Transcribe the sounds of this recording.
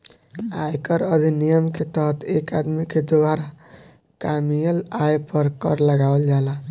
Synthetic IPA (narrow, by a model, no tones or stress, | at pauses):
ajkəɾəd̪ʱinijəmket̪əɦt̪ekad̪miked̪owaɾa | kamijəlajpəɾkʌɾləɡawld͡ʒala